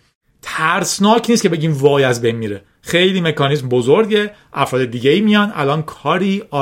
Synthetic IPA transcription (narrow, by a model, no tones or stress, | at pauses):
t̪ʰæɾsnɒːcʰniːstcʰe̞be̞ɟiːmvɒːjæzbejnmiɾe | xe̞jliːme̞kʰɒːniːs̬mbozoɾɟe̞ | ʔæfɾɒːd̪e̞d̪iːɟeiːmijɒnʔæ̰lɒːnkʰɒːɾiːʔɒː